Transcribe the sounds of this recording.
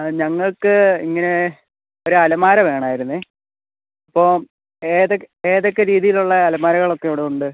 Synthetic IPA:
ɲɐŋːɐɭkɨḭŋːɐne̞ | o̞ɾuɐlɐmaːɾɐʋe̞ːɳaːjiɾunːɨ | ɐpːoː | eːðok | e̞ːðo̞kːeɾiːðijiluɭːɐːlɐmaːɾɐɣɐɭo̞kːeuːɽeuɳɖɨ

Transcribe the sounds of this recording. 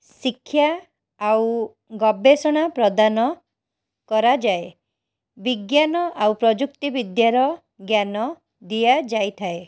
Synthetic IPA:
sikʰːja | aw | ɡɔbesɔɽ̃apɾɔd̪anɔ | kɔɾad͡ʒae | biɡjanɔʔawpɾɔd͡ʒukt̪ibid̪jaɾɔ | ɡjanɔ | d̪ijad͡ʒajt̪ʰae

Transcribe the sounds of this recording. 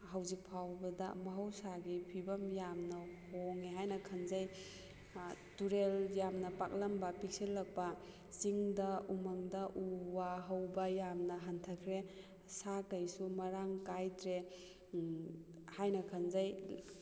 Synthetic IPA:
hɐwzik̚pʰawbɐdɐmɐɦɐwsaɡipʰibɐmjamnɐhoŋiɦajnɐkʰɐnzaj | tuɾeljamnɐpak̚lɐmbɐpik̚silːɐk̚pɐ | siŋdɐumɐŋdɐʔuwaɦɐwbɐjamnɐɦɐntʰɐkʰɾe | sakɐjsumɐɾaŋkajdɾe | hajnɐkʰɐnzaj

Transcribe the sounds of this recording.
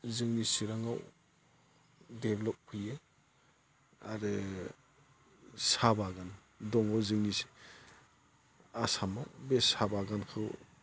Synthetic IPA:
zɯŋnisiɾaŋaw | deblɔp̚pʰɯje | a̰ɾɯ | sabaɡan | dɔŋawzɯŋnisi̥ | asamawbesabaɡankʰɯw

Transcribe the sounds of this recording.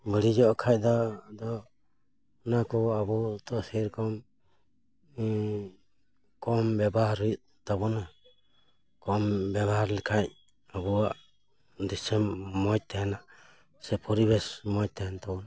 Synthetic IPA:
bəɽid͡ʒɔʔkʰaj̚d̪ad̪ɔ | nakɔabɔt̪ɔsiɾkɔm | kɔmbɛbahɾuj | t̪ɔbɔna | kɔmbɛβaɾlikʰaj | abɔaʔ | d̪isɛmːɔt̚t̪ɛna | sɛpʰɔɾibɛsmɔc̚t̪ɛnt̪ɔbɔna

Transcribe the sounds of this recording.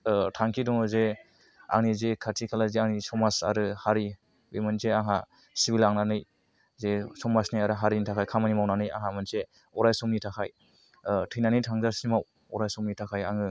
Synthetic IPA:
tʰaŋkʰidɔŋɯze | a̰ŋnizekʰatʰikʰalazeaŋnisɔmasa̰ɾɯhaɾi | bimɯnzeaŋa | sibilaŋnanɯj | zesɔmasnajaɾɯɦaɾinitʰakʰajkʰamanimawnanɯja̰ŋɦamɯnse | ɔɾajsɔmnitʰakʰaj | tʰɯjnanɯjtʰaŋzaɾsimaw | ɔɾajsɔmnitʰakʰaja̰ŋɯ

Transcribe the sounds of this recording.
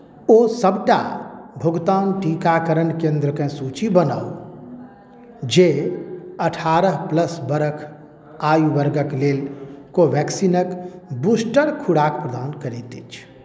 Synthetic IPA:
osəbʈa̰bʱʊɡt̪aːnʈiːkakəɾəɳkẽːnd̪ɾəkẽsuːt͡ʃibəna̰ːu | d͡ʒe | əʈʰaːɾəɦpləsbəɾəkʰ | aːjuʋəɾɡəkleːlkoʋɛːksiːnəkbuːsʈəɽkʰuɽaːkpɾəd̪aːnkəɾeːt̪it͡ʃʰ

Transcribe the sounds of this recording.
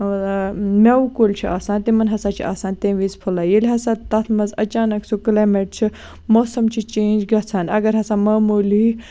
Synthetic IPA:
mʲeukoːlʲt͡ʃʰia̰ːsaːnt̪imɐnɦɐsaːt͡ʃʰḭʔa̰ːsaːnt̪ẽːʋiːzpʰulajilʲɦɐsat̪ɐt̪ʰmɐzɐt͡ʃaːnɐksʰukleːmeʈ̚t͡ʃʰi | moːsɐmt͡ʃʰit͡ʃeːnd͡ʒɡɐt͡sʰaːnɐ̰ɡɐɾɦɐsaːmɐːmuːli

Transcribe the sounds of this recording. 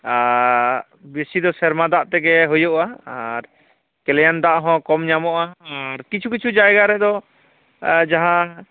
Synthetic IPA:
a | bisid̪ɔsɛɾmad̪aʔt̪ɛɡɛɦujuʔaaɾ | kɛlɛjand̪aʔɦɔ̃kɔmɲamɔʔaːɾkit͡ʃʰukit͡ʃʰud͡ʒajɡaɾɛd̪ɔ | d͡ʒaɦã

